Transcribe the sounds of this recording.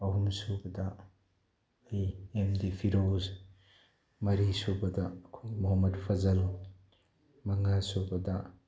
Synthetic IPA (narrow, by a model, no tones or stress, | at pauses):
ɐɦumsubɐdɐ | ejemdipʰiɾoz | mɐɾisubɐdɐkʰumɔɦɐmːɐdpʰɐzɐl | mɐŋasubɐdɐ